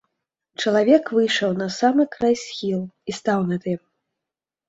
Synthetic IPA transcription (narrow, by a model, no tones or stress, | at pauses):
t͡ʂɐlˠavʲɛkvɨjʂɐwnɐsamɨkɾajsʲxʲilˠist̪awnɐt̪ɛm